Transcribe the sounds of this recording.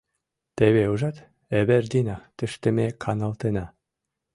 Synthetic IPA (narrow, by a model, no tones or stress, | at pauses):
t̪eβeuʒɑt̪ | eβerd̪inɑt̪ɘ̆ʃt̪ɘ̆mekʰɑnɑlt̪enɑ